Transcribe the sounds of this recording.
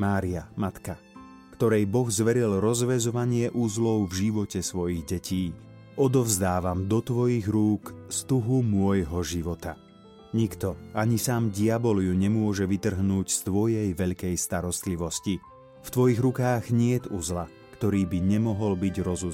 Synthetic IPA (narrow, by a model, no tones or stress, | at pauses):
maːɾiamat̪ka | kt̪ɔɾɛjbɔɣzʋɛɾilɾɔzʋɛzɔʋaɲɪɛʔuzlɔʊvʒiʋɔcɛsʋɔjiɣɟɛcʰiː | ɔd̪ɔvzd̪aːʋamd̪ɔt̪ʋɔjiɣɾuːkst̪uɦumʊɔjɦɔʒiʋɔt̪a | ɲikt̪ɔaɲisaːmɟiabɔlijuɲɛmʊɔʒɛʋit̪r̩ɦnuːcst̪ʋɔjɛjʋɛʎkɛjst̪aɾɔst̪liʋɔsci | ft̪ʋɔjiɣɾukaːɣɲɪɛt̪uzla | kt̪ɔɾiːbiɲɛmɔɦɔlbiɟɾɔzu